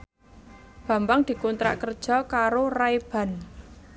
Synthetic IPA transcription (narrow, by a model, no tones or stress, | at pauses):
b̥ä̤mbaŋd̪̥i̤kɔnt̪ɾa̰ʔkərd̥ʒ̥ɔ̤kaɾoraeb̥a̤n